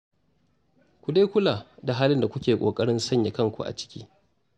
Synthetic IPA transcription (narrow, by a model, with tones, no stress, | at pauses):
kʷu˨da˦kʷʊ˦laː˨da˨ɦaː˦lɪ˦nda˨kʷʊ˦kʲeː˨kʷʼoː˨kʼɐ˦ɽɪ˦nsɐ˦˨ɲja˨kɐ˦ŋkʷṵ˨ʔa̰˨t͡ʃɪ̥˦kʲiː˦